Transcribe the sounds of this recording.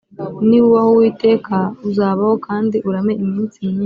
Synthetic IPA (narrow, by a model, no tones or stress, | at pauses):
niwuwahowiːte̞ːkʰauzaːβaho̞kʰaːndiʔuɾame̞imiːnsimɲi